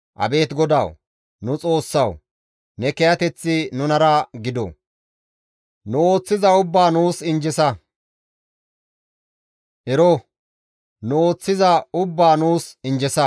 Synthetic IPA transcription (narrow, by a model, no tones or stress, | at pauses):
ʔɐ̰be̞ːt̪ɡɔd̪ɐ̰w | nʊt͡sʼo̞ːsːɐw | nɛkɛjɐt̪ɛt͡sːɪnʊnɐɾɐɡɪd̪ɔ̰ | nʊo̞ːt͡sːɪzɐʊbːaːnuːsɪnd͡ʒɪsɐ | ʔɛɾɔ | nʊo̞ːt͡sːɪzɐʊbːaːnuːsɪnd͡ʒɛsɐ